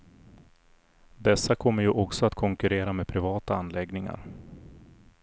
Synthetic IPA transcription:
d̪ɛsːakʰɔmːəɾjɵʔɔksɔat̪kʰɔŋkɵɾeːɾameːd̪̚pʰɾɪvɑːt̪aanlɛɡnɪŋa̰ɾ

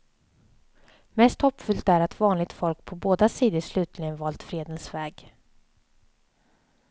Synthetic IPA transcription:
mɛst̪hɔpːfʏlt̪æɾat̪vɑːnlɪɡ̚t̪fɔlkpʰɔboːd̪asiːd̪əʂlʉ̟ːt̪ʰlɪɡənvɑːlt̪fɾeːd̪ənsvɛːɡ

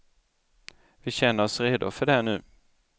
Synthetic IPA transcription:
vɪɕɛnːəɾɔsɾeːd̪ʊ̰fœɖɛænʉ̟ː

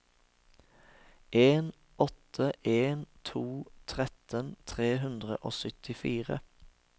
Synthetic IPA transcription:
ʔeːn | ʔɔt̪ʰəʔeːnt̪ʰuːt̪ʰʁɛt̪ʰənt̪ʰʁeːɦʉnd̪ʁə̰ʔoːsʏt̪ʰɪfiːʁə̰

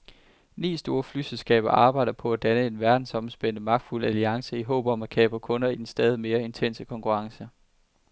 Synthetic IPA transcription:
nḭːsd̥o̝ːɐflyselsɡ̥ɛ̰ːb̥ɐʔɑ̈ːb̥ɑ̈ɪ̰d̥ɐpʰɒ̽æd̥ænəe̝nʋæɐd̥n̩sɒ̽msb̥en̰əmɑ̈ɡ̥d̥ful̰æliɑ̈ŋsəiɦɔ̰̽ːb̥ɒ̽mækʰɛ̰ːb̥ɐkʰɔ̽nɐid̥en̩sd̥ɛːð̞ˠime̝ːɐe̝nt͡sʰen̰səkʰɒ̽ŋkʰuʁɑ̈ŋsə

